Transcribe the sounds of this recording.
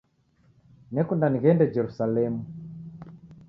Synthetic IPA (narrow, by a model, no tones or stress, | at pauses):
nɛkundaniɣɛndɛd͡ʒɛɾusalɛmu